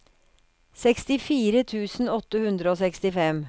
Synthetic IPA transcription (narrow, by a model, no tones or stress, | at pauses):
sɛkst̪ɪfiːɾət̪ʰʉːsn̩ɔt̪ːəhʉnd̪ɾəoːsɛkst̪ɪfɛm